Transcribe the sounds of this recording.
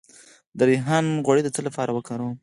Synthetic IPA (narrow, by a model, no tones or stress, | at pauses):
d̪əɾiɦanɣwaɽid̪ət͡səlapɑɾawəkaɾəw